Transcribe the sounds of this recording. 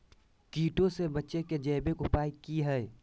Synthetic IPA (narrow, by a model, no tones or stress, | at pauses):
kiːʈõsebɐtːʃeked͡ʒɛːbekʊpaːikiɦɛɛ